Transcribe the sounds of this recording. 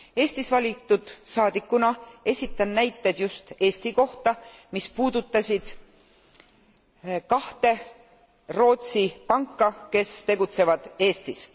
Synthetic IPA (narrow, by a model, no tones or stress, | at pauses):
e̞ːst̪isvɑlʲit̪ːˑud̪̥sɑːd̪ikːˑunɑe̞sʲit̪ˑːɑnːæjt̪ːˑe̞d̪̥just̪e̞ːst̪iko̞ht̪ɑmispuːd̪̥ut̪ːˑɑsʲid̪̥ | kɑht̪e̞ | ro̞ːt̪sipɑŋkːɑke̞st̪e̞ɡut̪se̞vɑd̪̥e̞ːst̪is